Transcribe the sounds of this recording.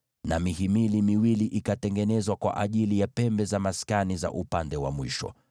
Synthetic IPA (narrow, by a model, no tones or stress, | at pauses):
namihimilimiwiliʔikatɛŋɡɛnɛzwakwa̰ʔaʄilijapɛmbɛzamaskaniza̰ʔupandɛwa̰mwiʃɔ̰